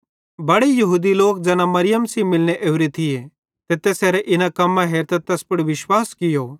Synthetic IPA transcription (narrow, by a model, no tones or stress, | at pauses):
bɐɽejɐɦuːd̪iloːk̚d͡zɛːnamɐɾɪjəmsimɪlneʔeːʊɾet̪ʰɪje | t̪eːt̪eseːɾɛʔɪnãkɐmːãɦeːɾt̪ɛt̪ɛːspʊɽʋɪʃwaːskɪjoː